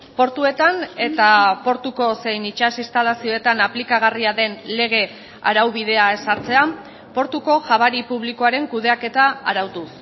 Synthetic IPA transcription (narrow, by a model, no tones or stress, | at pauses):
po̞ɾt̪ue̞t̪ane̞t̪apo̞ɾt̪uko̞se̞jnit͡ʃasist̪alasio̞e̞t̪anaplikaɣ̞ariaðe̞nle̞ɣ̞e̞ | a̰ɾawβið̞e̞ae̞saɾt͡se̞a | po̞ɾt̪uko̞ʝaβ̞aɾipuβliko̞aɾe̞ŋkuð̞e̞ake̞t̪aaɾawt̪us